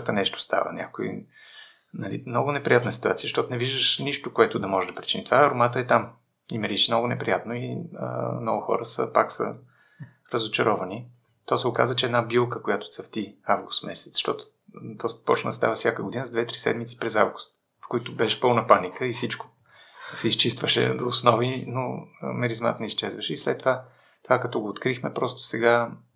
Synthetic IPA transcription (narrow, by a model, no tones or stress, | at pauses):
t̪ənɛʃt̪ʊ̥st̪a̰və̰nʲʔa̰koḭ | nɐlḭmnɔɡʊnɛpɾʲijat̪nəsi̥t̪uat̪sijəʃt̪ɔt̪ʊnɛviʒd̪əʃniʃt̪okoɛt̪ʊd̪ɐmɔʒɛd̪ɐpɾʲi̥t͡ʃinit̪ovaɾomat̪əɛt̪am | imɛɾiʃɛnɔɡʊnɛpɾḭjat̪noiə̰mnɔɡʊxɔ̰ɾəsə̰paksə̰ | ɾəzot͡ʃɐɾɔvɐni | t̪ɔsɛʊka̰zvət͡ʃɛːd̪nabilˠkəkojat̪ʊ̥t̪səft̪iavɡʊst̪mɛsɛ̥t̪ʃt̪ɔt̪ʊ̥ | d̪ɔst̪ɐ̥pɔt͡ʃnə̰st̪a̰vəsʲjakəɡʊd̪inəzd̪vɛt̪ɾi̥sɛ̰d̪mit̪si̥pɾɛzavɡʊst̪ | fkoit̪ʊbɛʃɛ̥pɤlˠnəpanikʰəisit͡ʃkʊ̥ | sɛist͡ʃist̪vəʃɛ̰d̪oːsnɔvinomɛɾizma̰t̪nɛist͡ʃɛzvəʃɛislɛ̰t̪ːova | t̪ovakɐt̪ɔɡoːt̪kɾixmɛpɾɔst̪ʊ̥sɛɡa